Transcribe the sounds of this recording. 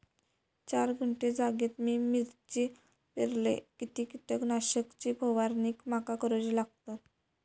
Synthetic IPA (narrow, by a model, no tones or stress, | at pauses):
t͡ɕaɾɡʱəɳʈed͡zaɡet̪miːmiɾt͡ɕi | peɾlḛkit̪iːkit̪əknaɕəkt͡ɕiːpoʋaɾniːkmakakəɾot͡ɕilaɡ̚t̪a